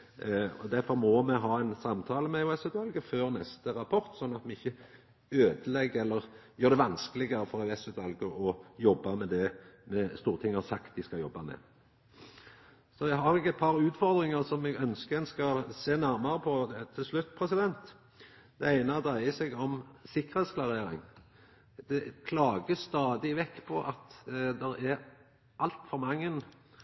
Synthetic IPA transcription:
ɔd̪æɾfɔɾmɔmɛɦɑːæɪnsɑmt̪ʰɑːləmɛʊɛsʉːt̪ʰʋɑlɡəføːɾnɛst̪əɾɑpʰɔɾt̪sɔnːɑt̪mɛɪçːə | øːd̪əlɛɡːəɛlːəɾjøːɾd̪ɛʋɑnskəlɪɡəɾəfɔɾɛsʉːt̪ʰʋɑlɡəɔjɔbːɑmɛd̪ɛmɛst̪uːɾət̪ʰɪŋːsɑkt̪̚d̪ɪskɑjɔbːɑmɛ̰ | sɔjæɦɑɾɪkːəɛt̪̚pʰɑɾʉːt̪fɔɾd̪ɾɪŋɑɾsɔmɛɡœnskəɛnskɑɾseːnæɾmɑɾəpʰɔt̪ʰɪlslʉt̪ːpʰɾɛsɪd̪ɛnt̪ | d̪̥ɛæɪnəd̪ɾæɪəsɛɡɔmsɪkːəɾhɛt̪sklɑɾeːɾɪ̰ŋ | d̪ɛkʰlɑːɡəst̪ɑːd̪ɪʋɛkːpʰɔʔɑt̪d̪ɛɾæɾ | ʔɑlt̪fɔɾmɑŋːən

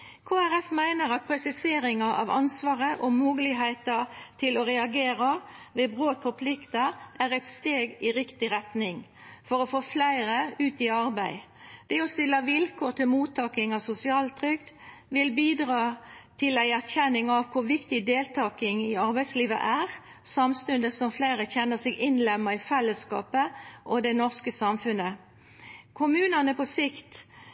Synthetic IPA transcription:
kʰoːæɾɛfmæɪnəɾɑt̪̚pʰɾɛsɪseːɾɪŋɑʔɑ̰ʋɑ̰nsʋɑːʁəʔɔmuːɡəlɪɦæɪt̪ət̪ʰɪlɔɾɛɑɡeːɾɑʋeːbɾoːt̪̚pʰɔpʰlɪkt̪əʔæɾɛt̪st̪eːɡɪɾɪkt̪ɪɾɛt̪nɪŋ | fɔɾɔfoːflæɪɾəʉːt̪ɪɑɾbæɪ | d̪̥ɛɔst̪ɪlːəʋɪlkʰoːt̪ɪlmuːt̪ʰɑːkɪŋɑʋsʊsɪɑːlt̪ʰɾʏkt̪ | ʋɪlbiːd̪ʁɑːt̪ʰɪlæɪæʁçɛnːɪŋɑʋkʰʊʁʋɪkt̪ɪd̪eːlt̪ʰɑːkɪŋɪɑɾbæɪsliːʋə̰ʔæʁ | sɑmst̪ʉnd̪əsɔmflæɪʁəçɛnːəsɪɡɪnlɛmːəɾɪfɛlːəskɑ̰ːpəʔɔd̪ɛnɔʁskəsɑmfʉnə | kʰʊmʉːnənəpɔsɪkt̪

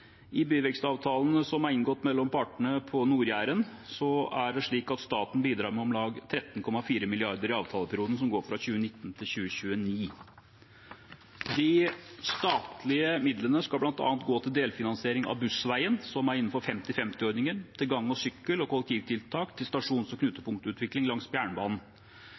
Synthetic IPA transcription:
ʔɪbyːʋɛkst̪ɑːʋt̪ʰɑːlənəsɔmɑɾɪnɡɔt̪ːmɛlːɔmpʰɑʈənəpʰɔnuːɾjæːɾənsɔæɖɛʂɭiːkɑt̪st̪ɑːt̪n̩biːd̪ɾɑːɾmɛɔmlɑːɡt̪ʰɾɛt̪ːn̩kʰɔmːɑfiːɾəmɪlɪɑɾd̪əɾɪɑːʋt̪ʰɑːləpʰæɾjuːd̪n̩s̬ɔmɡoːɾfɾɑçʉːənɪt̪ːnt̪ʰɪlçʉːəɕʉːəniː | d̪ɪst̪ɑːt̪lɪəmɪd̪lənəskɑlblɑnt̪ɑ̰ːnt̪ɡoːt̪ʰɪld̪eːlfɪnɑnseːɾɪŋɑ̰ʋbʉsʋæɪənsɔmæɾɪnːn̩fɔɾfɛmt̪ɪfɛmt̪ɪɔɾnɪŋənt̪ʰɪlɡɑŋːɔsʏkːəlɔkɔlːɛk̚t̪ʰiːʋt̪ʰɪlt̪ʰɑːkt̪ʰɪlst̪ɑʂuːnsɔkʰnʉːt̪ːəpʰʊŋkt̪əʉːt̪ʋɪklɪŋlɑŋsbjæːɳbɑːnn̩

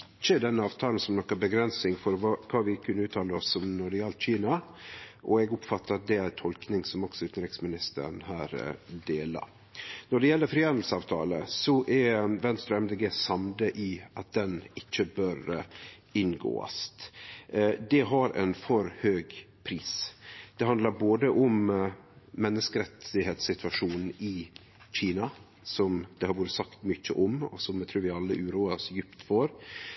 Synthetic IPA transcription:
ɪt͡ʃːəd̪ɛnːəɑːʋt̪ʰɑːln̩sɔmnɔkːəbəɡɾɛnsnɪŋfɔɾʋɑkʰɑːʋɪkʰʉnːəʉːt̪ʰɑːləɔsːɔmnɔɖɛjɛlt̪c͡çiːnɑ | ʔɔɛɡɔpfɑt̪ːəɾɑt̪̚d̪ɛæɾt̪ʰɔlknɪŋsɔmɔksɔʉːt̪n̩ɾɪksmɪnɪst̪ə̰ɾɳhæːɾd̪eːlɑ̰ | nɔɖɛjɛlːəɾfɾiːɛnd̪l̩səɑːʋt̪ʰɑ̰ːləsɔʔɛɾʋɛnst̪ɾɛmd̪eɡeːsɑmd̪əʔɪʔɑt̪̚d̪ɛnɪt͡ʃːəbøɾ | ɪnɡo̰ːə̰st̪ | d̪ɛɦɑɾɛ̰ɪnfɔɾhøːɡ | pʰɾiːsd̪̥ɛɦɑnd̪lɑɾboːd̪əʔɔm | mɛnːəskəɾɛt̪ɪheːt̪sɪt̪ʋɑʂuːnn̩ɪ | c͡çiːnɑ | sɔmd̪̥ɛhɑɾʋoːɾəsɑkt̪mʏçːəʔɔmɔ̰sɔmjt̪ʰɾʉːɾʋɪɑlːəʔʉːɾuːɑsjʏpt̪fɔɾ

